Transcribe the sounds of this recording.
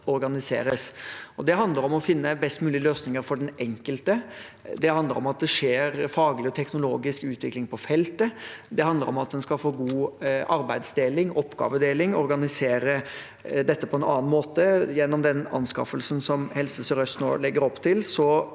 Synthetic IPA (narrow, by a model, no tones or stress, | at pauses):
ɔɾɡɑnɪsḛːɾəsɔd̪ɛɦɑnd̪ləɾɔmɔfɪnːəbɛst̪mʉːlɪəløːsnɪŋəɾfɔɖɛnɛŋkəlt̪əd̪ɛhɑnd̪ləɾɔ̰mɑt̪̚d̪ɛʂeːɾfɑːɡlɪɔt̪ʰɛknʊloːɡɪskʉːt̪ʰʋɪklɪŋpʰɔfɛlt̪əd̪ɛhɑnd̪əɾɔmɑt̪̚d̪ɛnskɑlfoːɡuːʔɑɾbæɪd̪sd̪eːlɪŋɔpːɡɑ̰ːʋəd̪eːlɪŋɔɾɡɑnɪseːɾə | d̪ɛt̪ːəpʰɔɛnɑ̰ːn̩moːt̪əjɛnːɔmd̪ɛnɑ̰nskɑ̰fəlsənsɔmhɛlsəsɔɾœst̪no̰ːlɛɡːəɾɔpːt̪ʰɪlsɔ